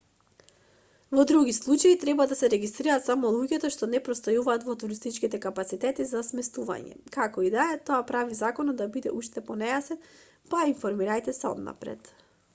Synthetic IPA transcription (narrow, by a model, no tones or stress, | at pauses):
vɔd̪ɾuɡislˠut͡ʃait̪ɾɛbad̪asɛɾɛɡist̪ɾiɾaːt̪samɔlˠuɟɛt̪ɔʃt̪ɔnɛpɾɔst̪ojuvaːt̪vɔt̪uɾist̪it͡ʃkit̪ɛkapat̪sit̪ɛt̪izasmɛst̪uva̰ɲɛ̰kakɔid̪aɛt̪oapɾavizakɔnɔd̪abid̪ɛ̰uʃt̪ɛpɔnɛjasɛn | paiɱfɔɾmiɾajt̪ɛsɛɔ̰d̪na̰pɾɛ̰t̪